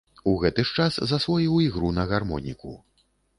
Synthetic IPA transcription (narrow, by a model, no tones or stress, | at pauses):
uɣɛt̪ɨʂt͡ʂaszɐsvɔjiwiɣɾunɐɣarmɔ̰nʲikṵ